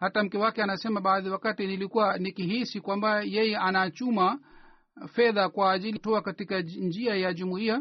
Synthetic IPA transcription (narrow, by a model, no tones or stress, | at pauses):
hatam̩kɛwakɛanasɛmaɓaːðiwakatinilikuwanikiɦisikwambajɛjɛʔanat͡ʃuma | fɛðakwaːʄilitɔakatikand͡ʒiajaʄumuia